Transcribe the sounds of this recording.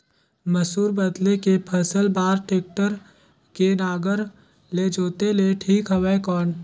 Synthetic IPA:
məsuːɾbəd̪lekepʰəsəlbaːɾʈeːk̚ʈəɾ | kenaːɡəɾ | led͡ʒoːt̪eleʈʰiːkɦɐʋekɔːn

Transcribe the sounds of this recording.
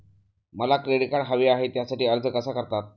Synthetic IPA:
məlakɾeɽikaɽɦaʋiaɦet̪jasaʈiːəɾd͡zəkəsakəɾt̪at̪̚

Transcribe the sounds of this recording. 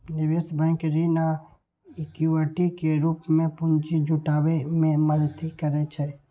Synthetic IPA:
nɪʋeːsbə̃ɪkɾina | ɪkjuaʈikeɾuːpmẽpʊnt͡ʃid͡ʒʱʊʈaːwemẽməlt̪ʰikəɾet͡ʃʰe

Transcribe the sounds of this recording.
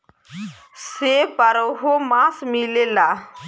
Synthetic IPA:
sepaɾəɦomasmilela

